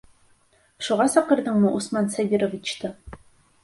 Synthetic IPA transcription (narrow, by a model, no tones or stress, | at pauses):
ʃuʁɑsɑqɤ̆ɾd̪ɤɴməʔusmɑnsabʲiɾovʲit͡ɕt̪ɤ